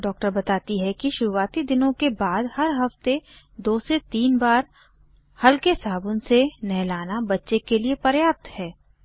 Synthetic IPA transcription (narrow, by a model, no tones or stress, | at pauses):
ɖɔːk̚ʈəɾbɐt̪aːt̪iɦɛkiʃʊɾuʋaːt̪id̪ɪnõkebaːd̪hɐɾɦɐft̪e | d̪oːset̪iːnbaːɾ | hɐlkesaːbʊ̃nsenɛɦlaːnabɐtːʃekeliepɐɾjaːp̚t̪hɛː